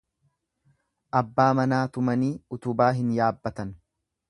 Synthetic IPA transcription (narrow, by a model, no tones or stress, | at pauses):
ʔɐbːaːmɐnaːt̪ʊmɐniːʊt̪ʊbaːɦɪnjaːbːɐt̪ɐn